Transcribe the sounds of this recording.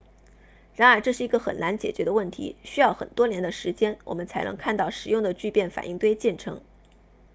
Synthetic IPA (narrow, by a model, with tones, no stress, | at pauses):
ɻa˧˥nə˞˧˥ʈ͡ʂɤ˥˧ʂɻ̩˥˩i˧˥ɡə˧xə˨˩na˧˥nt͡ɕjɛ̰˨˩t͡ɕɥɛ˧˥d̪ə˧wə˥˩nt̪ʰḭ˧˥ɕy˥jɑ˥˩ʊxə̰˨˩nt̪wɔ˥njɛ˧˥nd̪ə˧ʂɻ̩˧˥t͡ɕjɛ˥nwʔɔ̰˨˩mə˦nt͡sʰa˧˥ɪnɤ̰˧˥ŋkʰa˥˧nt̪ɑ˥˩ʊʂɻ̩˨˩jʊ˥˩ŋd̪ə˩t͡ɕy˥˧pjɛ˥˩nfa̰˨˩nʔi˥˩˧ŋt̪we˥ɪt͡ɕjɛ˥˩nʈ͡ʂʰɤ̰˧˥ŋ